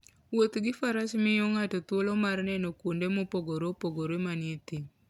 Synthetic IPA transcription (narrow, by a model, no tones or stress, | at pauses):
wot̪ɡɪfaɾasmɪjɔŋatot̪wolɔmarnɛnokwondemopoɡoɾopoɡoɾemanɪet̪i